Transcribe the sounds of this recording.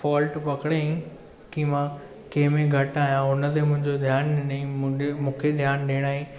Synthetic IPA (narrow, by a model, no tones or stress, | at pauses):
fɔːlʈpɐkɽeĩ | kimã | keːɪ̃mẽɡʱɐʈaːɦijãʊnə̆t̪̬emʊ̃ɦɪ̃ɲd͡ʑod̪ʱjaːnɗɪnĩmũːkʰed̪ʱjaːnɗeːɽ̃aːɦĩ